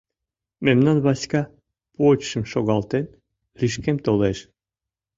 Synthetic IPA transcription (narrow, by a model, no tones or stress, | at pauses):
memnɑnβɑsʲkɑ | pot͡ʃʃɨmʃoɡɑlˠt̪en | riʃkemt̪olˠeʃ